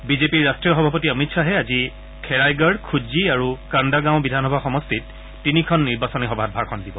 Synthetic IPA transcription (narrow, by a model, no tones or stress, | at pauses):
bizepiɹːastɹiɔxɔbʱapɔtiɔmitsaɦɛazi | kʰɛɹajɡɔɹkʰuziaɹukandaɡãʊ̃bidʱanɔbʱaxɔmɔstʰitː | inikʰɔnːiɹbasɔnixɔbʱat̚bʱaɹkʰɔndibɔ